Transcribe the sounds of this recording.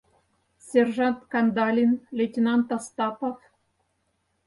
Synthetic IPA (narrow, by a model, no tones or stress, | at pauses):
sʲerʐɑnt̪kɑnd̪ɑlʲinlʲetʲenɑnt̪ɑst̪ɑpof